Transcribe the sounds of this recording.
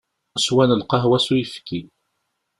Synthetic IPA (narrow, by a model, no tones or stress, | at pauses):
swænəlqɑɦwæsujəfki